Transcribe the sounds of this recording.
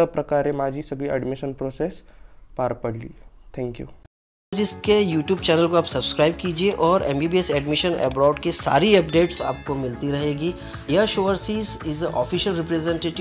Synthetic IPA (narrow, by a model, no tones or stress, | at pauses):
ɐpɾɐkaːɾemaːd͡ʒisɐɡɽiɛ̰ɖmɪʃənpɾoːsespaːɾpɐɽlḭːt̪ʰɛ̃ːŋkjṵ | d͡ʒɪskejuːʈjuːbt͡ʃɛːnəlkoaːpsɐbskɾaːɪb̚kiːd͡ʒieʔɔːɾɛ̰̃ːmbiːbiesɛːɖmɪʃənɛ̰ːbɾɔːʊɖkesa̰ːɾiɐp̚ɖeːʈsa̰ːp̚komɪlt̪iɾɐɦeːɡi | jɐʃoːəɾsiːzɪzəʔɔ̰ːfiʃəlɾɪpɾezẽɳʈeːʈɪ